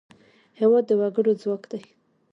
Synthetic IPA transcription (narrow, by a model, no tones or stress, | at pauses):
hewɑd̪ːəwaɡəɽozwakd̪aj